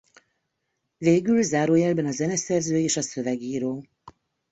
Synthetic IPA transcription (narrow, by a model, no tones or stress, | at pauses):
veːɡylzaːɾoːjɛlbɛnɒzɛnɛsɛrzøːeːʃɒsø̞vɛɡiːɾoː